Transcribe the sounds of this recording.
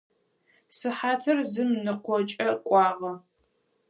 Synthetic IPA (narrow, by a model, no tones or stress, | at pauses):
sɨħaːtʰɐrzɨmnɨqʷɔt͡ʃʼɐkʷʼɑːʁɐ